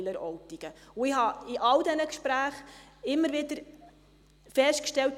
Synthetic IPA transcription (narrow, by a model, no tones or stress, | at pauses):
ləɾɔwtiɡ̥əʊɪhɑɪʔɑld̪ɛnəkʃpɾæːχɪmːəɾʋɪdəɾ | fɛʃtkʃtɛlt